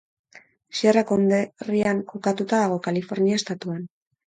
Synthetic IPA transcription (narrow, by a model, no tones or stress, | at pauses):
sierakond̪eriaŋko̞kat̪ut̪aðaɣ̞o̞kalifo̞ɾniaest̪at̪uan